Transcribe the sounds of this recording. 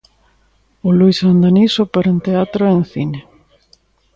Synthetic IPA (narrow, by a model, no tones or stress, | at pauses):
ʊlujsand̪anisopeɾent̪eat̪ɾoenθine